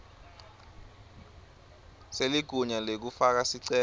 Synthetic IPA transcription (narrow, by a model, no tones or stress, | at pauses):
seliɡ̥ʱuɲalek̬ufak̬asiǀɛː